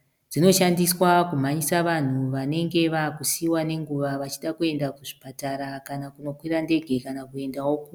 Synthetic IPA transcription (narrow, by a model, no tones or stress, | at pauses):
d͡zino̞ʃandiswakum̤aɲisaʋan̤uʋane̞ŋɡe̞ʋakusiwane̞ŋɡuʋaʋat͡ʃiɗakue̞ndakuʐipataɾakanakuno̞kwirande̞ɡʱe̞kanakue̞ndawo̞ku